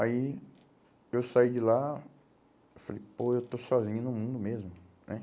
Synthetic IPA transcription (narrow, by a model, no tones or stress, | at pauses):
ai | ewsaid͡ʒɪla | ewfalejpoewt̪osɔzĩɲʊnʊmũnd̪ʊmezmʊnɛ